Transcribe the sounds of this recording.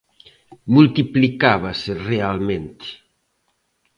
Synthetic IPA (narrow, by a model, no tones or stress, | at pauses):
mult̪iplikaβaserealmẽnt̪ɪ̥